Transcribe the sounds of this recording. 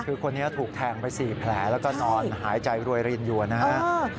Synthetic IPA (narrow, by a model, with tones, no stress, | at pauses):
kʰɯː˧kʰo˧nːi˦˥ɐt̪ʰuː˨˩k̚t̪ʰɛː˧˩ŋpa˧jsiː˨˩pʰlɛː˩˦lɛː˦˥wkɔː˥˩nɔː˧nnɦaː˩˦jt͡ɕa˧jɾu˧əjɾi˧ənju˧˩ɐna˦˥ha˦˥